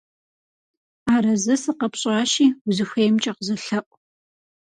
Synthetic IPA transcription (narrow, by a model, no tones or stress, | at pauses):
aːɾɐzɐsɨqɐpɕʼaːʃiːzɨxʷejmt͡ʃʼɐqəzɨɬɐʔʷʼ